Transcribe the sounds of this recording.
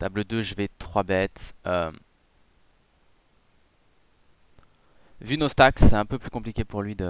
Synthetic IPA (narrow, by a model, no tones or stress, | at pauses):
t̪abləd̪øʒəvɛt̪χwabɛt̪ø | vynost̪aksɛɛ̃pøplykɔ̃plikʲepuʁlɥid̪ə